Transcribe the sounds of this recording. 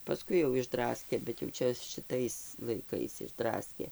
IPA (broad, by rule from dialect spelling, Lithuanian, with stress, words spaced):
pɐˈskʊɪ jɛʊ ɪʒˈdrɑːsʲkʲeː bʲɛt jɛʊ ˈt͡ʃʲɛ ʃʲɪˈtɐɪs lˠɐɪˈkɐɪs ɪʒˈdrɑːsʲkʲeː